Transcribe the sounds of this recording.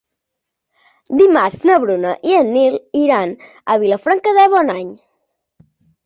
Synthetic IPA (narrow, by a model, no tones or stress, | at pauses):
d̪imaɾznəβɾunəʔiənːilˠiɾan | əβiləfɾaŋkəðəβɔnaɲ